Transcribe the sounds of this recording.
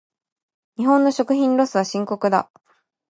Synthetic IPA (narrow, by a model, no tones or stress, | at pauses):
ɲ̟iɦõ̞nːo̞ɕo̞kɯ̟çĩnɾo̞sɨβaɕĩŋko̞kɯ̟d̪a̰